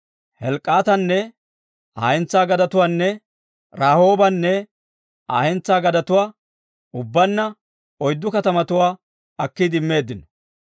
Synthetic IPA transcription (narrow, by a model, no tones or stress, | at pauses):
hɛlkʼːaːt̪ɐnːɛ | a̰ːhɛnt͡sːaːɡɐd̪ɐt̪ʊwaːnːɛ | ɾaːho̞ːbɐnːɛ | aːhɛnt͡sːaːɡɐd̪ɐt̪ʊwaː | ʊbːɐnːɐ | ɔjd̪ːʊkɐt̪ɐmɐt̪ʊwaː | ɐkːid̪ɪmːe̞ːd̪ːɪnɔ̥